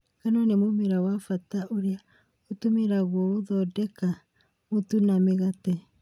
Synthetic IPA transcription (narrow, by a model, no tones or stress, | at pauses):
kanonemumeɾawafataʔoɾea | otumeɾaɣwooðɔdeka | motunameɣate